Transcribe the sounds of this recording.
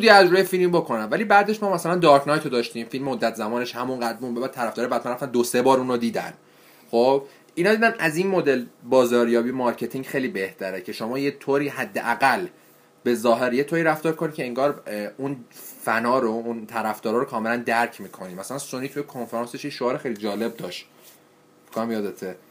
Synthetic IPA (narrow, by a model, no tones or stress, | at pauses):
ud̪iæzɾuːjefilmbokʰo̞nænvæliːbæːd̪e̞ʃmɒːmæsælænd̪ɒːɾkʰnɒːjt̪ʰod̪ɒːʃt̪ĩːmfilmmod̪ːæt̪ʰzæmɒːneʃhæmunɢæd̪̚bunbebæd̪̚tʰːæɾæfd̪ɒːɾebæd̪̚mænɾæft̪ænd̪ose̞bɒːɾuːnod̪iːd̪æ̰n | χob | inɒːd̪iːd̪ænʔæzinmod̪elbɒːzɒːɾjɒːbiːjemɒɾcʰe̞t̪ʰiŋɟχejliːbe̞ht̪ʰæɾecʰe̞ʃomɒːjet̪ʰoɾiːhæd̪ːeʔæɡæl | be̞zɒːɦe̞ɾjet̪ʰoːɾiːɾæft̪ɒːɾkʰonid̪̚cʰeeŋɡɒːɾunfænɒːɾount̪ʰæɾæfd̪ɒːɾɒːɾokʰɒːme̞lænd̪æɾcʰmiːkʰo̞niːmæsælænsoniːt̪ʰujekʰonfeɾɑːnseʃjeʃoɒːɾexejlid͡ʒɒːle̞b̚d̪ɒːʃt̪ | kʰonæmjɒːd̪et̪ʰe